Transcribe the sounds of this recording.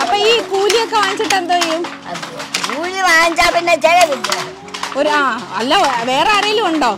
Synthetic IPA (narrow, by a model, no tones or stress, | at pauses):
ɐpːoːiːkuːlijokːeʋaːɲit͡ɕːiʈːend̪oːejum | kuːliʋaːɲd͡ʑaːpinːed͡ʑeɻɐkiʈːi | oɾuaːɐlːoːʋe̞ːreɐrɐjilumuɳɖo̞ː